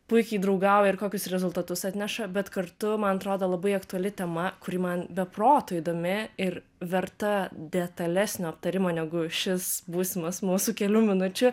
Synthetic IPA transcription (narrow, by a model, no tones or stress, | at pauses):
pʊɪkʲɛɪd̪ɾɐʊɡɐʊjɛɪrkoːkʲʊsɾʲɛzʊlˠt̪ɐt̪ʊsɐt̪ʲnʲɛʃɐbʲɛt̪kɐrt̪ʊmɐnɐt̪ɾoːd̪ɐlˠɐbɐɪɐkt̪uɐlʲɪt̪ʲɛmɐkʊɾʲɪmɐnbʲɛproːt̪oːid̪oːmʲɪɪr | ʋʲɛrt̪ɐd̪ʲɛt̪ɐlʲæsʲnʲoːɐp̚t̪ɐɾʲɪmoːnʲɛɡʊʃʲɪsbuːsʲɪmɐsmuːsʊkʲɛlʲuːmʲɪnʊt͡ʃʲʊ